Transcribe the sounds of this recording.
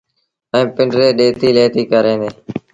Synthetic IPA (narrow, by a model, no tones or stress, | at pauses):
ɛ̃ːpɪɳɖɾeːɗeːt̪iːleːt̪iːkəɾẽːnd̪eː